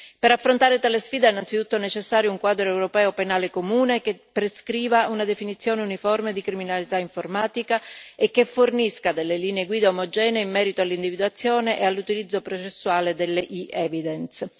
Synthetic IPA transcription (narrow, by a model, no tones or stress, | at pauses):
peɾafːɾont̪aːɾet̪aːlesfiːd̪eɛinːant̪sit̪ut̪ːonet͡ʃesːaːɾjouŋkwaːd̪ɾoɛwɾopɛːopenaːlekomuːnekepːɾeskɾiːvaunad̪efinit̪sːjoːneunifɔrmed̪ikɾiminalit̪aiɱformaːt̪ikaekːeforniskad̪elːeliːneeɡwiːd̪aomod͡ʒɛːneimːɛːɾit̪oalːind̪ivid̪uat̪sːjoːneʔealːut̪ilid̪zːopɾot͡ʃesːuaːled̪elːeʔiɛːvid̪ɛns